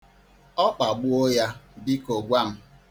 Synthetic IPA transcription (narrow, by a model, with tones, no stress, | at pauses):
ɔ˦k͡pa˨ɡ͡bu˦o˦ja˦bi˦ko˨ɡʷa˦˨m̩˦